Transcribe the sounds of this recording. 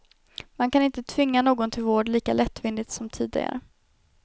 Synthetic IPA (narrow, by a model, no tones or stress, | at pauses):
mankʰanɪnt̪ət̪ʰvɪŋːanoːɡɔnt̪ʰɪlvoːɖliːkalɛt̪ːvɪnd̪ɪt̪sɔmt̪ʰiːd̪ɪ̰ɡa̰ɾə